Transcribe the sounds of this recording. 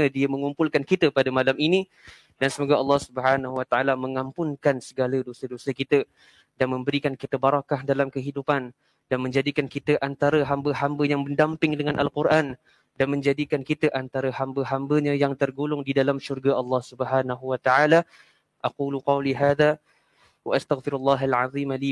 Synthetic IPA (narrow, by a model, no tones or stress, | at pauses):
ədiamə̃ŋumpʊlkankit̪əpadəmalamini | dansəmoɡaɑlːɑhsubəɦanahuwat̪aʔalaməŋampʊnkansəɡalədosədosəkit̪ə | danmə̃mbəɾikankit̪əbaɾakahdalamkəɦidupan | danmə̃ɲd͡ʒadikankit̪əʔant̪aɾəɦambəɦambəjaŋbəndampɪŋdəŋanʔalkurʔan | danmə̃ɲd͡ʒadikankit̪əʔant̪aɾəɦambəɦambəɲajaŋt̪ərɡulʊŋdidalamʃurɡaʔɑlːɑhsubəɦanaɦuwat̪aʕala | ʔaquːluqɑwliɦaːða | wa̰ʔast̪aɣfɪɾalːɑːɦalʕaðˤiːmali